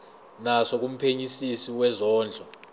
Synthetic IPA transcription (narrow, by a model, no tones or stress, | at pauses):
nasok̬um̩pʰeɲisisiwɛzɔːnd͡ɮʱɔ